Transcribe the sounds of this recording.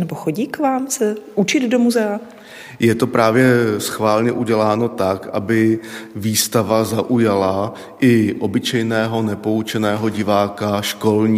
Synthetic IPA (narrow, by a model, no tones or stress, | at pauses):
nɛboxoɟiːkvaːmsɛʔut͡ʃɪd̪domuzɛa | jɛt̪o̞pɾaːvjɛsxvaːlɲɛʔuɟɛlaːno̞t̪akʔa̰bɪviːst̪avazaʔujala | ʔɪʔo̞bɪt͡ʃɛjnɛːɦo̞nɛpo̞ut͡ʃɛnɛːɦo̞ɟɪvaːkaʃko̞lɲiː